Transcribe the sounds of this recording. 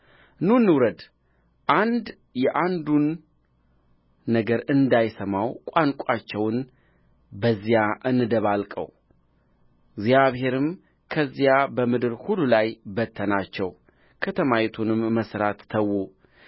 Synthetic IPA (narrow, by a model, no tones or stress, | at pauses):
nunːɨwɾəd̪ | ʔand̪ | jɛʔand̪un | əɡəɾɨnd̪ajsəmawkʷʼaŋkʷʼat͡ʃːɛwn | bəzːijaʔɨnːɨd̪əβalkʼə̰w | ɡzjaβhe̞ɾɨm | kʰəzːijabəmɨd̪ɨɾhulːulajbət̪ʰːənat͡ʃːɛw | kʰət̪ʰəmajɛt̪ʰunɨmːəsɾat̪ːʰəwːu